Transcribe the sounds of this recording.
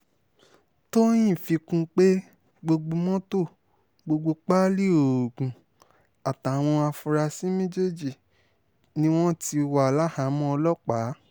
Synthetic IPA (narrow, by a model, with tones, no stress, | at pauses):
to˦j̃ĩ˦˨fi˧kũ˦k͡pe˦ | ɡ͡bo˧ɡ͡bo˧mɔ̃˦to˦˨ | ɡ͡bo˧ɡ͡bo˧k͡pa˦li˦o˨ɡũ˨ | a˨ta˨w̃ɔ̃˧a˧fu˧ɾa˧si˦mẽ˦d͡ʒe˦˨d͡ʒi˦˨ | nĩ˦w̃ɔ̃˦ti˧wa˨a˨la˦ha˨˦mɔ̃˦ɔ˧lɔ˦k͡pa˨˦